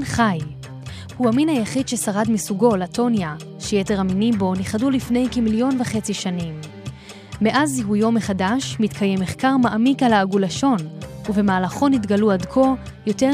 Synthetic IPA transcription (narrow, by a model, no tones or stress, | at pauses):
χaj | huaminhajaχidʃesaʁadmisuɡo̞lato̞nja | ʃejeteʁaminimbo̞niχadulifne̞jkemiljo̞nveχe̞t͡siʃanim | me̞ʔaziɦujo̞meχadaʃmitkʰajemːeχkaʁmaʔamikalaːɡulaʃo̞nuve̞maːlaχo̞nitɡaluadkʰo̞ | jo̞te